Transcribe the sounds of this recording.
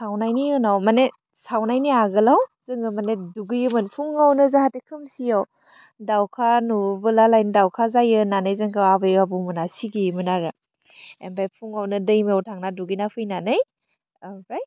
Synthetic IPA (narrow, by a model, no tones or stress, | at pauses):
sawnajniɯnawmane | sawnajniaɡɯlawz̥ɯŋɡɯmaneduɡɯjɯmɯnpʰuŋawnɯzahatekʰɯmsijaw | dawkʰanubɯlalajndawkʰazajɯnanɯjzɯŋkʰɯabɯjabumɯnasiɡimɯnaɾɯ | ḛmbajpʰuŋawnɯdɯjmawtʰaŋnaduɡɯjnapʰɯjnanɯj | bajt̚